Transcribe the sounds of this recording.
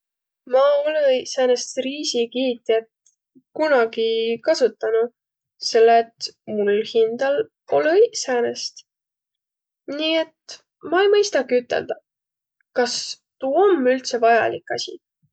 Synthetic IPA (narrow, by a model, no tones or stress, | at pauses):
mɑo̞leseːnest̪riːsikiːt̪ːˑiet̪ | kunɑɡikɑsut̪ːˑɑnu | se̞lːeet̪mulhind̪̥ɑl | o̞lesænest̪ | niːe̞t̪ | mɑejmɤjst̪ɑɡiyt̪ːˑe̞̰ld̪ɑ | kɑs | t̪uːo̞mːylt̪se̞vɑjɑ̰likːˑɑ̰sʲḭ